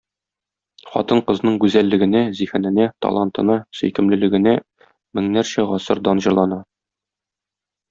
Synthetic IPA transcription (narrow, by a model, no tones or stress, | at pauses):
χɒ̰t̪ɤɴqɤ̆znɤɴɡʉzælːɘ̆ɡɘ̆næzihɘ̆nɘ̆næt̪ɒ̰lˠɑnt̪ɤ̆nɑsɵ̰̆jkɘ̆mlɘ̆lɘ̆ɡɘ̆næ | mɘ̆ŋnæɾɕæʁɒsɤɾd̪ɑnʑɤ̆ɾlˠɑnɑ